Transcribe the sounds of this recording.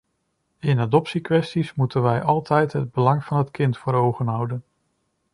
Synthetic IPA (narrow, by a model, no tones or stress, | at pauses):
ɪnadɔpsikʋɛstismutənʋɛjʔɑlˠtɛjtɦəd̚bəlɑŋv̥ɑnɦətkɪntfʊːɾowχənɦɑwdən